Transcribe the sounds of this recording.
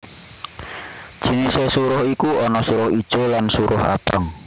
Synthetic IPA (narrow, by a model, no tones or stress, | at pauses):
d̥ʒ̥i̤nisesuɾʊhikuɔnɔsuɾʊhid̥ʒ̥o̤lansuɾʊha̰t̪əŋ